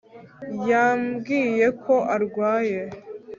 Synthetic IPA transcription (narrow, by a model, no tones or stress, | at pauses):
jaːmɡiːje̞kʰo̞ʔaɾɡwaːje